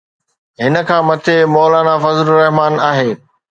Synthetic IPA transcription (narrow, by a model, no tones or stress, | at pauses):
ɦɪnə̆kʰãːmɐt̪ʰemɔːlaːnafɐzlɾɛɦmaːnaːɦeː